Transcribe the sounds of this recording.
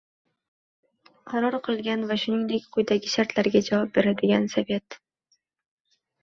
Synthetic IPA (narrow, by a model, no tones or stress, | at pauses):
qʰɑɾɒɾqʰɨlˠɡʲanvaʃʊnɪŋd̪e̞kʲqʰʊjd̪aɡʲɪʃaɾt̪ʰlaɾɡʲad͡ʒavɒp̚be̞ɾad̪ɪɡʲansave̞t̪